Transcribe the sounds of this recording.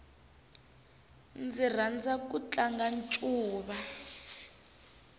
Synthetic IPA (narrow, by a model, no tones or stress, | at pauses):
nd͡zir̤and͡zakut͡ɬʼaŋɡant͡ʃʼuːɓa